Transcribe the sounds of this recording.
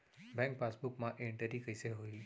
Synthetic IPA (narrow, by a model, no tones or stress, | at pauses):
bɛ̃ŋk̚pasbukmãʔeɳʈəɾikəjseɦoi